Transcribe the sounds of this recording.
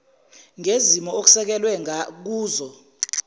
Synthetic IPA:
ŋʱezimɔok̬u̥sɛk̬ɛlwɛŋak̬uːzɔ

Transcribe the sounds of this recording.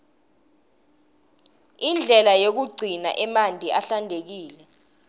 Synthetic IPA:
ind͡ɮʱɛlajok̬uɡ͡ǀʱina̰ʔɛmandʱiʔaɬandʱek̬iːlɛ

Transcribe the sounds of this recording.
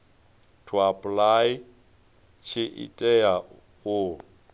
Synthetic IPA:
tʰuapʼlaj | t͡ʃʰɪʔḭtʼɛa | ʊ

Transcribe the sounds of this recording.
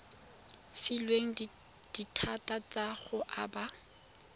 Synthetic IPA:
filweŋ̩d̥itʰatʼat͡sʼaɣʊʔaba

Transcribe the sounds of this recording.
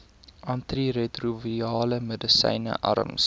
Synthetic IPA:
ʔɐntriretruviiɑːləmədəsɛ̰jnə̰ʔɐ̰ɾə̰ms

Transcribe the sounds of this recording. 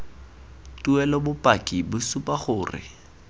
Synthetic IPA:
tʼuɛlɔbʊpʼakʼibʊsupʼaχʊːrɪ̰

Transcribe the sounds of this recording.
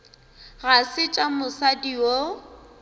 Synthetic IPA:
ɣasɪt͡ʃʼamʊsadio

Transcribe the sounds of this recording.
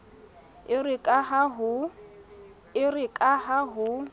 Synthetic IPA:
ɪrɪkʼaɦaɦʊ | ɪrɪkʼaɦaɦʊ

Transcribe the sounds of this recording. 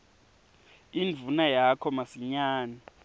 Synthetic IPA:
invʱunajakʰɔmasiɲaːna

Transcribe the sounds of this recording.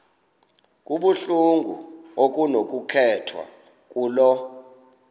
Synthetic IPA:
kʼuɓuɬuŋɡʱṵok̬ʼunok̬ʼukʰɛtʰwa̰ | k̬ʼuːlɔ

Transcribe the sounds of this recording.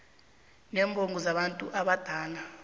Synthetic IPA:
nɛːmbʱoŋɡʱuzaɓantʼuʔaɓad̥ʱaːla

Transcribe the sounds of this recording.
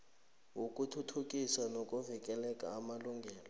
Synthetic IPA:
wukʼutʰutʰukʼisanokʼuvikʼɛlɛkʼaːmaluŋɡʱɛːlɔ

